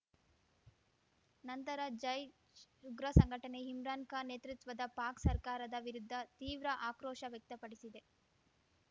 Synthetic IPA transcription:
nɐnt̪ɐɾɐd͡ʒɐj | ʃuɡɾɐsɐŋɡʱɐʈɐne̞ɦimɾaːnkɐneːt̪ɾit̪ʋɐd̪ɐpaːksɐɾkaːɾɐd̪ɐʋiɾud̪ʱːɐt̪iːʋɾɐʔaːkɾɔːʃɐʋjɐk̚t̪ɐpɐɽisid̪e̞

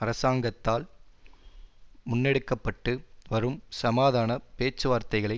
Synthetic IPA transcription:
ɐɾɐsaːŋɡɐt̪ːaːl | mʊnːɛɽɯkːɐpːɐʈːɯʋɐɾɯmsɐmaːðaːnɐpeːt͡ʃːɯʋaːɾt̪ɐɪɣɐɭɐɪ

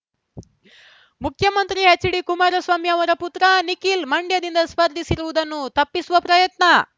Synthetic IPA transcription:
mukʰjɐmɐnt̪ɾiɦet͡ʃːiɽikumaːɾɐsʋaːmiɐʋɐɾɐput̪ɾɐnikilmɐɳɖjɐd̪ind̪ɐspɐɾd̪ʱisiɾuʋud̪ɐnːut̪ɐpːisuʋɐpɾɐjɐt̪nɐ

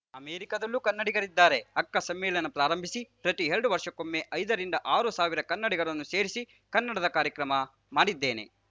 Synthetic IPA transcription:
ɐmeːɾikɐd̪ɐlːukɐnːɐɽiɡɐɾid̪ːaːɾe̞ɐkːɐsɐmːɛːlɐnɐpɾaːɾɐmbʱisipɾɐt̪iɦeɭɐɖuʋɐɾʂɐkomːeʔɐjd̪ɐɾiɳɖɐʔaːɾusaːʋiɾɐkɐnːɐɽiɡɐɽɐnːuseːɾisi | kɐnːɐɽɐd̪ɐkaːɾjɐkɾɐmɐ | maːɽid̪ːe̞ːne̞̰

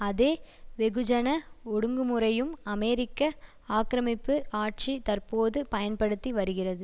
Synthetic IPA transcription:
ɐðeːʋɛɣɯd͡ʒɐnɐɔɽɯŋɡɯmɯrɐjɯmɐmɛːɾɪkːɐ | aːkɾɐmɪpːɯʔaːʈ̚t͡ʃit̪ɐrpoːðɯpɐjɐnpɐɽɯt̪ːiʋɐɾɯɣɪrɐðɯ

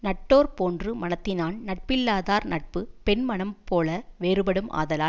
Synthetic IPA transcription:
nɐʈːoːɾpoːndrɯmɐnɐt̪ːɪnaːnnɐʈ̚pɪlːaːðaːɾnɐʈ̚pɯpɛnmɐɳɐmpoːlɐʋeːɾɯbɐɽɯmʔa̰ːðɐlaː

